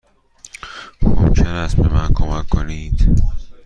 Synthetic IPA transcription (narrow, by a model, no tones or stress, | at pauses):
xo̰mt͡ʃʰeɾæsbemænkʰomækʰːoniːd̪̥